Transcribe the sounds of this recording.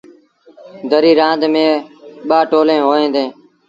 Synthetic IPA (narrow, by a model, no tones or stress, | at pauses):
d̪ʱəɾiːɾãːnd̪mẽːɓaːʈoːlẽːɦoːẽːnd̪ẽː